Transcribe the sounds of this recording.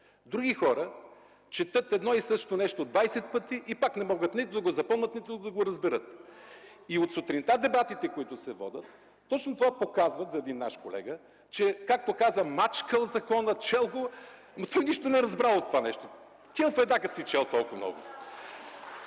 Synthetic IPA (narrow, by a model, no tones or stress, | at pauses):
d̪ɾuɡʲixɔɾə | t͡ʃɛt̪ɤt̪ɛd̪nɔisɤʃt̪onɛʃt̪od̪vajsɛt̪̚pɤt̪iʔipaknɛmɔɡət̪nit̪ʊd̪ɐɡozɐpɤlˠnət̪nit̪ʊd̪ɐɡoɾɐzbɛɾət̪ | iot̪sot̪ɾint̪ad̪ɛbat̪it̪ɛkoit̪ʊsɛvɔ̰d̪ʲət̪ː | ɔt͡ʃnot̪ovapokazvət̪zɐɛd̪inːa̰ʃkolɛ̰ɡə | t͡ʃɛkak̚t̪okazəmat͡ʃkəlˠzɐkɔnət͡ʃɛlˠɡo | mɐt̪ɔjniʃt̪onɛɾɐzbɾalˠot̪ːovanɛʃt̪o | kʲɛlˠfɛd̪nakɐt̪sit͡ʃɛlˠt̪ɔlˠkʊvɐmnɔ̰ɡʊ̰